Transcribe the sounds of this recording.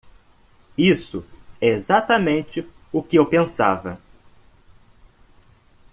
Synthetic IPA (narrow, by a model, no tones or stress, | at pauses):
isʊɛezat̪ɐmẽnt͡ʃɪ | ʊkɪewpẽsa̰vɐ